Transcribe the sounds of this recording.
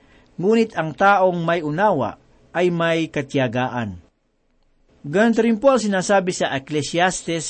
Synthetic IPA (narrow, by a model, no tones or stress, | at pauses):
ŋuːnɪt̪ɐŋt̪aːʔoŋmɐjʊnaːwa̰ | ʔɐjmajkɐt̪jaɡaːʔɐn | ɡɐont̪ɐɾɪmpoʔɐŋsɪnaːsaːbɪsɐʔɛklɛsjast̪ɛs